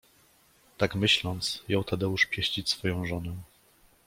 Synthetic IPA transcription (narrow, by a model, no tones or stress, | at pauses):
t̪akmɘɕlɔnt̪sjɔ̃wt̪ad̪ɛuʂpʲjɛɕt͡ɕit͡ɕʲsfɔjɔ̃w̃ʐɔnɛ